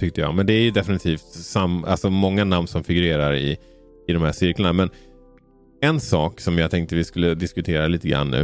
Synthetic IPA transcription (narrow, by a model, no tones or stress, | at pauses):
t̪ʰʏk̚t̪əjɑ̰mɛnd̪ɛæɾjɵd̪ɛfɪnɪt̪ʰiːft̪sama̰lsɔmɔŋːanamnsɔmfɪɡɵɾeːɾaɾɪ̰ː | d̪ɔmhæːʂɪɾkləɳamɛn | ɛnsɑːksɔmjɑɡt̪ʰɛŋk̚t̪əvɪskɵlːəd̪ɪskɵt̪ʰeːɾaliːt̪əɡɾa̰nːʉ̰ː